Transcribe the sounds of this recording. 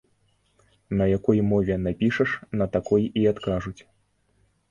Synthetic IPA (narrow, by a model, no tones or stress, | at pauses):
nɐjakɔjmɔvʲɛnapʲiʂɐʂnɐt̪akɔjiat̪kaʐut͡sʲ